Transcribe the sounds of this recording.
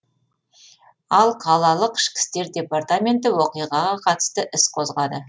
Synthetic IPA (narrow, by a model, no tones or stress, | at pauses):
ɑlˠqʰɑlˠɑlˠəqɪ̥ʃkʲɪ̥st̪e̞ɾd̪ʲe̞part̪amʲe̞nt̪ɪwoqijʁɑʁɑqʰɑt̪ə̥st̪əʔɪsqʰo̞zʁɑd̪ə